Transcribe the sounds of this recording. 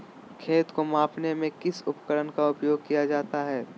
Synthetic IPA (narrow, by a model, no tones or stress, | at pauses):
kʰeːt̪komãːpnemẽkɪsʊpkəɾənkaʊpjoːɡ̚kijad͡ʒaːt̪aɦɛː